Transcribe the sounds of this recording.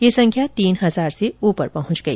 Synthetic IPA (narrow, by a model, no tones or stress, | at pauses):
jesɐ̃ŋkʰjat̪iːnɦɐzaːɾseuːpəɾpɐɦʊ̃t͡ʃɡɐḭː